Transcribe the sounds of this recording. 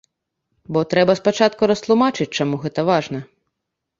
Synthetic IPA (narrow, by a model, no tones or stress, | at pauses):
bɔt̪ɾɛbɐspat͡ʂat̪kuɾɐst̪lˠumat͡ʂɨt͡s̚ʲt͡ʂamuɣɛt̪ɐʋaʐnɐ